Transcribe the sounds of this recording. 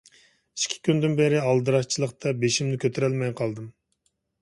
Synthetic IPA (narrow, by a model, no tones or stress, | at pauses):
i̥ʃkʲʰːi̥kʲynd̪ɪnbeɾɪɑlˠd̪ɨɾɑʃt͡ʃʰilˠəqt̪ʰɑbeʃimnɪkʲʰøt̪ʰeɾɛlmɛjqʰɑlˠd̪ɨm